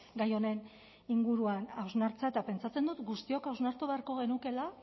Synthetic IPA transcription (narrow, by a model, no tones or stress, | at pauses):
ɡajo̞ne̞n | iŋɡuɾuanawznaɾt͡saet̪ape̞nt͡sat͡se̞nd̪ut̪ɡust̪io̞kawznaɾt̪uβe̞aɾko̞ɣ̞e̞nuke̞la